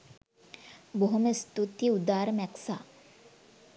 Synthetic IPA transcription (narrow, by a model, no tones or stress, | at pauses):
boɦumest̪ut̪iud̪aːɾɐmɛksaː